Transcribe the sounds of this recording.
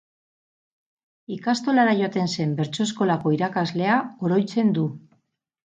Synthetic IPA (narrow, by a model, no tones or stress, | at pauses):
ikast̪o̞laɾaʝo̞at̪e̞nse̞mbe̞ɾt͡so̞e̞sko̞lako̞iɾakazle̞ao̞ɾo̞jt͡se̞nd̪u